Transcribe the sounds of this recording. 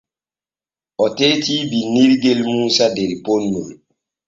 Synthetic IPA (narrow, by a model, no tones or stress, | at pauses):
ʔɔteːtiːbiniɾɡelmuːsadɛɾponːol